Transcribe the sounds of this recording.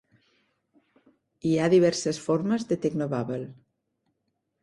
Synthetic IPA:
iaðiβɛɾsəsfoɾməzd̪ət̪eɡnoβaβel

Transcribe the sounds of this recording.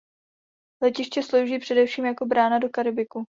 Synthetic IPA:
lɛcɪʃcɛslowʒiːpr̝̥ɛdɛfʃiːmjako̞bɾaːnado̞kaɾɪbɪku

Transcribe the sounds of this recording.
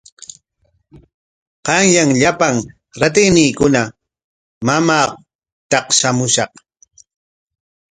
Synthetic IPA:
qɑŋjaŋʎapaŋ | ɾat̪ɪjnɪːkʊna | mamaː | t̪ɑqʃamʊʃɑq

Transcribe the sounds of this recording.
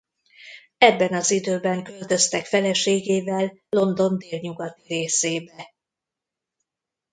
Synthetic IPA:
ɛbːɛnɒzid̪øːbɛŋkølt̪ø̞st̪ɛkfɛlɛʃeːɡeːvɛlːo̞nd̪o̞nd̪eːlɲuɡɒt̪iɾeːseːbɛ

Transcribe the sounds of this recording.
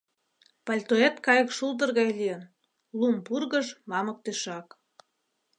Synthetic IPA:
pɑlʲt̪oet̪kɑjə̆kʃuld̪ərɣɑjlʲijən | lumpurɣəʒmɑmə̆k̚t̪eʃɑk

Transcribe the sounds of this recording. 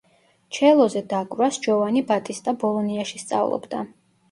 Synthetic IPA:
t͡ʃʰɛlˠɔzɛd̪akʼvɾasd͡ʒɔvanibat̪ʼist̪ʼabɔlˠɔniaʃist̪sʼa̰vlˠɔ̰bd̪a

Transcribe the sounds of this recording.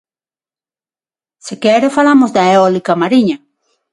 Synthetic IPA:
sekeɾefalamozd̪aeolikamaɾiɲa

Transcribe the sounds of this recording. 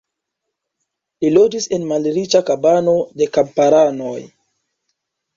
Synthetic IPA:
lilod͡ʒise̞nmalɾit͡ʃakabano̞de̞kampaɾano̞j

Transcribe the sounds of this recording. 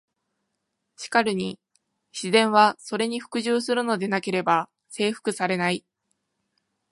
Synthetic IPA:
ɕi̥kaɾɯ̟ɲ̟i | ɕizẽ̞ɰ̃βaso̞ɾe̞ɲ̟iɸɯ̟̥kɯ̟ʑɨːsɨɾɯ̟no̞d̪e̞nake̞ɾe̞ba | se̞ːɸɯ̥kɯ̟saɾe̞nai

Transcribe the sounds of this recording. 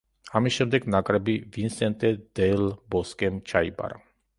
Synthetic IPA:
amiʃɛmd̪ɛknakʼɾabivinsɛnt̪ɛd̪ɛlboskemt͡ʃʰajba̰ɾa̰

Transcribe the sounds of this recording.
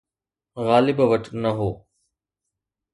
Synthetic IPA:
ɣaːlɪbʋəʈnɐɦoː

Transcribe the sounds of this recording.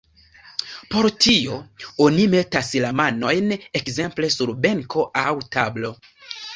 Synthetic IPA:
po̞ɾtio̞onime̞taslamano̞jne̞kze̞mple̞suɾbe̞ŋko̞ʔawtablo̞

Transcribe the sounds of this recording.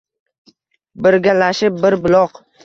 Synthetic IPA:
bɪɾɡʲalaʃɪp̚ːɪɾbɪlˠɒq

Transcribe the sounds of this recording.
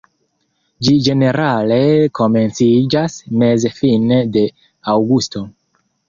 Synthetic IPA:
d͡ʒid͡ʒe̞ne̞ɾale̞kʰo̞me̞nt͡sid͡ʒasme̞zefinede̞ | awɡusto̞

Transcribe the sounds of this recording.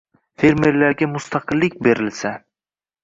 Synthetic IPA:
fe̞ɾme̞ɾlaɾɡʲamʊst̪ʰɑqʰɨlːɪk̚ʲbe̞ɾɪlsa

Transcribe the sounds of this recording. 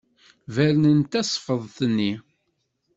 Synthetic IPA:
væɾnənt̪æsˤfəðˤθənːi

